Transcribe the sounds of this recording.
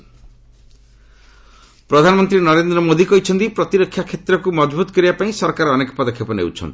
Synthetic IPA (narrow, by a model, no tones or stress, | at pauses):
pɾɔd̪ʱanɔmɔnt̪ɾinɔɾend̪ɾɔmod̪ikɔɦit͡ʃʰɔnt̪ipɾɔt̪iɾɔkʰːjakʰːet̪ɾɔkumɔd͡ʒbut̪ɔ̥kɔɾibapaĩsɔɾkaɾɔːnekɔ̥pɔd̪ɔkʰːjɔpɔnḛwt͡ʃʰɔ̰nt̪i̥